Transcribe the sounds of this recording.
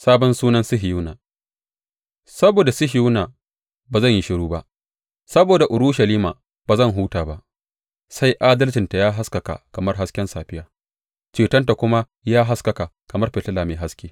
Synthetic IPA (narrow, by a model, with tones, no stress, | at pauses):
saː˦bɔ˦nsuː˦nɐ˦nsɪ˦ɦɪ˨juː˦naː˨ | sɐ˦boː˨da˨sɪ˦ɦɪ˨juː˦naː˨ | baː˨zɐ˦˨ɲji˦ʃɪ˦ɽuː˦ba˦ʔ | sɐ˦boː˨da˨ʔʊ˨ɾuː˦ʃɐ˨liː˦ma̰ː˨ | baː˨zɐ˦˨ŋɦuː˦taː˨ba˦˨ʔ | sa˦jʔaː˦dɐ˦lt͡ʃɪ˨nta˨jaː˦ɦa˦skɐ˨ka̰˨kɐ˨mɐ˦rɦa˦skʲɛ˦nsaː˨ɸɪ˦jaː˨ | t͡ʃeː˨tɐ˦nt̬a˨kʷʊ˦ma˦ | jaː˦ɦa˦skɐ˨ka˨ | kɐ˨mɐ˦rɸeː˨tɐ˦laː˨meː˨ɦa˦skʲeː˦